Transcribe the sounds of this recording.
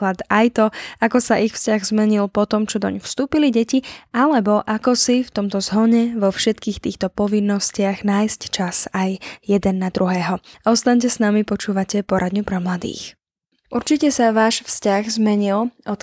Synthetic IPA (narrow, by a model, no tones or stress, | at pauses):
lat̪ajt̪ɔakɔsaʔixfscaɣzmɛɲilpɔt̪ɔmt͡ʃɔd̪ɔ̰ɲfst̪uːpiliɟɛcialɛbɔʔakɔsift̪ɔmt̪ɔzɦɔɲɛʋɔfʃɛt̪kiːxt̪iːxt̪ɔpɔʋinːɔscɪaɣnaːjsct͡ʃasajjɛd̪ɛnːad̪ɾuɦɛːɦɔaɔst̪aɲc̬ɛsnamipɔt͡ʃuːʋacɛpɔɾad̪ɲupɾɛmlad̪ḭːx | ʔuɾt͡ʃicɛsaʋaːʃfscaɣzmɛɲilɔt̪